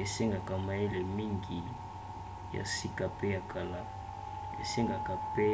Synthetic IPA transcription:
e˨se˦ŋɡa˨ka˨ma˨je˦le˨mi˦ŋɡi˨ | ja̰˨si˦ka˨pe˦ja˨kʰa˨la˨ | ḛ˨se˦ŋɡa˨ka˨pe˦

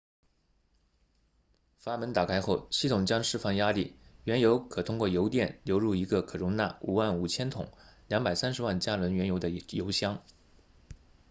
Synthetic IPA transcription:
fa˥˩mə˧˥nt̪a˨˩kʰa˥ɪxo˥˩ʊɕi˥˩t̪ʰʊ˨˩ŋt͡ɕjɑ˥ŋʂɻ̩˥˧fɑ˥˩ŋja˥li˥˩ɥɛ˧˥njo˧˥ʊkʰɤ˨˩t̪ʰʊ˥ŋkwɔ˥˩jo˧˥ʊt̪jɛ˥˩nljo˧˥ʊɻu˥˩i˧˥ɡə˧kʰɤ˨˩ɻʊ˧˥ŋt̪a̰˥˩u˨˩wa˥˩nu˨˩t͡ɕʰjɛ˥nt̪ʰʊ̰˨˩˦ŋljɑ˧˥ŋpa˨˩ɪsa˥nʂɻ̩˧˥wa˥˩nt͡ɕja˥lwə˧˥nɥɛ˧˥njo˧˥ʊd̪ə˧jo˧˥ʊɕjɑ˥ŋ

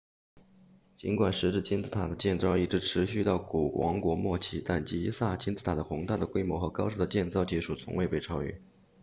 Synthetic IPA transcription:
t͡ɕi˧˥nkwa˨˩nʂɻ̩˧˥ʈ͡ʂɻ̩˥˩t͡ɕʰi˥nt͡sʰɹ̩˥˩t̪ʰa˨˩d̪ə˦t͡ɕjɛ˥˧nt͡sɑ˥˧ʊi˥˩ʈ͡ʂɻ̩˧˥ʈ͡ʂʰɻ̩˧˥ɕy˥˧t̪ɑ˥˩ʊku˨˩wɑ̰˧˥ŋkwɔ˧˥mwɔ˥˧t͡ɕʰi˧˥˩t̪a˥˩nt͡ɕi˥sa˥˩t͡ɕʰi˥nt͡sɹ̩˥t̪ʰa˨˩d̪ə˦xʊ˧˥ŋt̪a˥˩d̪ə˩kwe˥ɪmwɔ˧˥xɤ˧˥kɑ˥ʊʂɤ˥˩d̪ə˩t͡ɕjɛ˥˧nt͡sɑ˥˧ʊt͡ɕi˧˥˩ʂu˨˩t͡sʰʊ̰˧˥ŋwe˥˧ɪpe˥˩ɪʈ͡ʂʰɑ˥ʊy̰˥˩

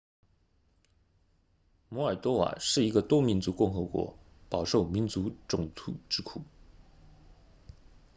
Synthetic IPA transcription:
mɔ˧˥ə˞˨˩t̪wɔ˥wa̰˨˩ʂɻ̩˥˩i˧˥ɡə˧t̪wɔ˥mi˧˥nt͡su˧˥kʊ˥˩ŋxɤ˧˥kwɔ̰˧˥pɑ˨˩ʊʂo˥˩ʊmi˧˥nt͡su˧˥ʈ͡ʂʊ˨˩ŋt̪ʰu˨˥˩ʈ͡ʂɻ̩˥kʰu˨˩˦

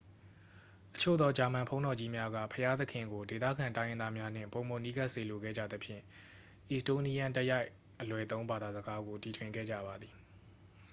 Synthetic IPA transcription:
ʔə̥t͡ɕʰo̰˦˨d̪ɔ˦d͡ʑa˨mã˨mpʰõ˦ʊ̃ndɔ˨d͡ʑi˦mja˦ɡä̰˦˨pʰəja˦t̪ə˦kʰɪ̃˨ŋɡo˨de˨t̪ä̰˦˨ɡã˨ntã˦jɪ̃˦d̪a˦mja˦n̥ɪ̰̃˦˨mpõ˨mo˨ni˦ɡa˦ʔse˨lo˨ɡɛ̰˦˨d͡ʑä̰˦˨d̪ə˦pʰjɪ̰̃˦˨ | ʔi˨sto˦ni˦jã˦˨ntə˦ja˦ɪʔ | ʔːəlwɛ˨t̪õ˦ʊ̃mba˨d̪a˨zəɡa˦ɡo˨ti˨tʰwɪ̃˨ŋɡɛ̰˦˨d͡ʑä̰˦˨ba˨d̪ði˨

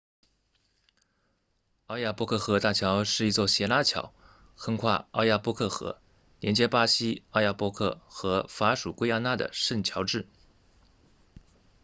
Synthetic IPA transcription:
ɑ˥˧ʊja˥˩pwɔ˥kʰɤ˥˩xɤ˧˥t̪a˥˩t͡ɕʰjɑ˧˥ʊʂɻ̩˥˩i˧˥t͡swɔ˥˩ɕjɛ˧˥la˥t͡ɕʰjɑ̰˧˥˦ʊ | xə˥ŋkʰwa̰˥˧ɑ˥˧ʊja˥˧pwɔ˥˧kʰɤ˥˩xɤ̰˧˥ | ljɛ̰˧˥nt͡ɕjɛ˥pa˥ɕi˥ɑ˥˧ʊja˥˩pwɔ˥kʰɤ˥˩xɤ˧˥fa˧˥ʂu˨˩kwe˥ɪja˥˧na˥˩d̪ə̰˨ʂə˥˩nt͡ɕʰjɑ˧˥ʊʈ͡ʂɻ̩˥˩

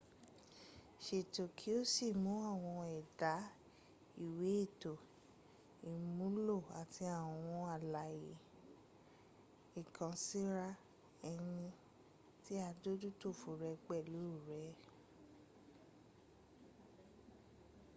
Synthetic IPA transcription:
ʃe˨to˨kʰi˨˦o˦si˦˨mũ˨˦a˦˨w̃ɔ̃˧ɛ˨da˨˦ | i˦˨we˨˦e˦˨to˨ | i˨mũ˨˦lo˦˨a˨ti˧a˦˨wɔ̃˨w̃ɔ̃˧a˦˨la˨jḛ˨ | i˨kʰã˨si˦ɾa˧ | ɛ˧j̃ĩ˧ | ti˦a˧do˦du˦to˦˨fo˨ɾɛ˧ɡ͡bɛ˦˨lu˨˦˨ɾɛ˨˦

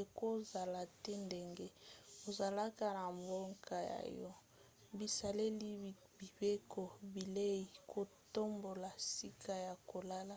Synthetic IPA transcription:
e˨ko˦˨za˨la˨tɛ˦nde˨ŋɡe˦o˨za˨la˦ka˨na˨mbo˦ŋka˨ja̰˨jɔ˦ | bi˨sa˨le˦li˦ | bi˨be˦kʰo˨bi˨le˦i˨kʰo˨to˦mbo˨la˨si˦kʰa˦ja˨ko˨la˦la˦

